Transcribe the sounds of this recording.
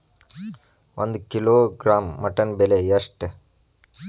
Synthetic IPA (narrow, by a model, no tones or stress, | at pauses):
ʔo̰nd̪ukiloːɡɾaːmːɐʈːɐnbɛlejɐʂʈ